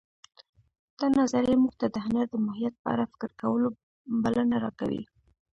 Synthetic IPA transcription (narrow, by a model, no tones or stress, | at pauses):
d̪̥ɑnazaɾjemuɡt̪ad̪əɦanaɾd̪əmaɦijat̪̚pəa̰ɾafɪ̥kəɾkawəlo | balənaɾɑka̰wḭ